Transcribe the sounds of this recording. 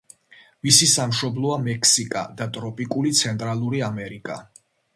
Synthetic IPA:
misisamʃɔblˠɔamɛkʰsikʼa̰d̪at̪ʼɾɔpʼikʼulit̪sʰɛnt̪ʼɾalˠuɾiamɛɾikʼa̰

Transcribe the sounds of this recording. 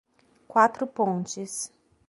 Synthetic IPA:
kwat̪ɾʊpõnt͡ʃɪs

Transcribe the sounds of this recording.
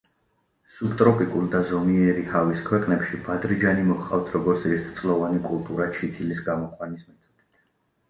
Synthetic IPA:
subt̪ʼɾɔpʼikʼuld̪azɔmiɛɾihaviskʰwɛqʼnɛpʃibad̪ɾid͡ʒanimɔχqʼa̰ft̪ʰɾɔɡɔɾt̪sʰɛst̪ʰt̪sʼlˠɔvanikʼulˠt̪ʼuɾat͡ʃʰit̪ʰilisɡamɔqʼwanismɛt̪ʰɔd̪ɛt̪ʰ

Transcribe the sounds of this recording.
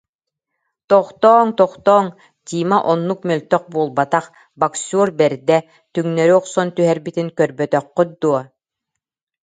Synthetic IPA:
t̪ɔχt̪ɔːŋt̪ɔχt̪ɔːŋ | t̪ʲiːmaʔɔnːuk̚mœlt̪œχ̚buːlˠbat̪aχ | baksuːɾbɛɾd̪ɛ | t̪yŋnœɾyɔqsɔnt̪yɦɛɾbit̪iŋkœɾbœt̪œqːyt̪̚d̪uɔ

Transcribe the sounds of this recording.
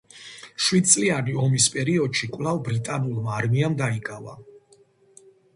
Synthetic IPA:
ʃwid̪̚t̪sʼlianiɔmispʼɛɾiɔd̪ʃikʼwvlavbɾit̪ʼanulˠmaːɾmiamd̪aikʼava̰

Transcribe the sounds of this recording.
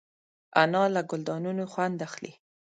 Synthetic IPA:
anɑlaɡʊld̪ɑnunoxwand̪axlḭ

